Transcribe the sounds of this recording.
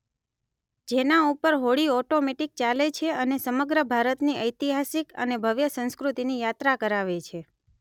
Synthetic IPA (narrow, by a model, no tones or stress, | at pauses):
d͡ʒenaupəɾɦoɽiɔʈomeʈik̚t͡ʃalet͡ʃʰeənesəməɡɾəbʱaɾət̪niʔəjt̪iɦasikə̰nebʱəʋjəsə̃nskɾut̪inijat̪ɾakəɾaʋet͡ʃʰe